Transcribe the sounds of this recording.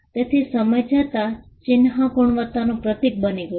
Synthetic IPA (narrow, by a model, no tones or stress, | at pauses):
t̪et̪ʰisəməjd͡ʒat̪at͡ʃinɦakuɳ̃ʋət̪anõpɾət̪ik̚bəniɡə